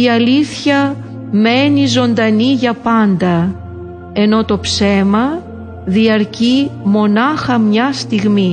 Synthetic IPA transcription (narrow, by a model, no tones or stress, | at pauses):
iɐliθçɐ | me̞nizo̞nd̪ɐniʝɐpɐnd̪ɐ | e̞no̞t̪o̞pse̞mɐ | ðiɐɾcimo̞nɐxɐmɲɐst̪iɣmi